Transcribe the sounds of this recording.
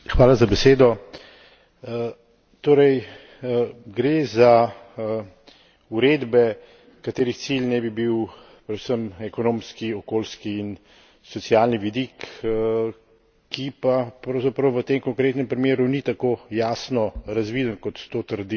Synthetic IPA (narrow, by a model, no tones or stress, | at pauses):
xʋaːlazabɛseːd̪ɔ | t̪oːɾɛj | ɡɾeza | uɾeːd̪bɛ | kat̪eːɾixt̪silnɛbibiw | pɾɛd̪usəmɛkɔnoːmskiɔkoːlskiːn | sɔt̪sjaːlniʋid̪ik | kipapɾɐwzapɾɐwʋət̪emkɔŋkɾeːt̪nɛmpɾimeːɾunit̪akoːjasnɔɾazʋiːd̪ənkɔt̪t̪ot̪əɾd̪i